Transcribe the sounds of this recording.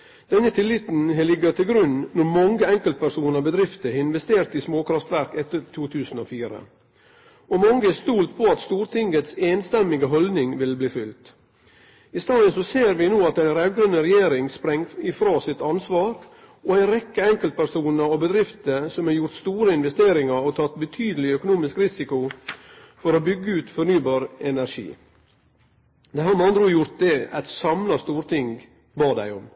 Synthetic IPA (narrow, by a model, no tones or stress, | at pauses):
d̪̥ɛnːət̪ʰɪlːɪt̪n̩ɛlɪɡət̪ʰɪlɡɾʉnnɔmɑŋɡəɛŋkəlt̪̚pʰæɾsuːnəɾbəd̪ɾɪft̪əɪnʋɛst̪eːɾt̪ɪsmoːkʰɾɑft̪ʋæɾkɛt̪ːəɾt̪ʰuːt̪ʰʉːsn̩ɔfiːɾə̰ | ɔmɑŋɡəæst̪uːlt̪pʰɔɑt̪st̪uːɾt̪ʰɪŋɡət̪seːnst̪ɛmːɪɡəɦɔlnɪŋʋɪlbliːfʏlt̪ | ɪst̪ɑːd̪əsɔseːɾʋɪnoːɑt̪æɪnɾɛʋɡɾœnəɾɛjeːɾɪŋspɾɛŋːɪfɾɑːsɪt̪ɑnsʋɑːɾ | ʔɔæɪnɾɛkːəɛŋkəlt̪̚pʰæɾsuːnəɾɔbəd̪ɾɪft̪əsɔmɑɾjʊɾt̪st̪uːɾəɪnʋɛst̪eːɾɪŋəɾɔt̪ʰɑt̪bət̪ʰyːd̪əlɪœkʊnuːmɪskɾɪsɪkʊ | fɔɾobʏɡːəʉːt̪fɔɾnyːbɑːɾɛnæɾʂḭː | d̪æɪhɑɾmɑnd̪ɾuːjʊɾt̪̚d̪ɛæt̪sɑmlɑst̪uːɾt̪ʰɪŋ | bɑːd̪æ̰ɪɔm